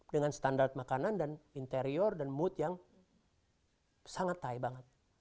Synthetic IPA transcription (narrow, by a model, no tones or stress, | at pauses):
dəŋanst̪andart̪̚makanandanint̪eɾiɔrdanmut̪jaŋ | saŋat̪ːaibaŋət̪̚